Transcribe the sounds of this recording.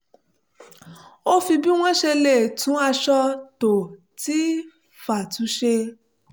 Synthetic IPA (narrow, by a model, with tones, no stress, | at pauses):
o˦fi˧bi˦w̃ɔ̃˦ʃe˧le˦˨tũ˨˦a˧ʃɔ˧to˨ | ti˨˦ | fa˨tu˨˦ʃe˧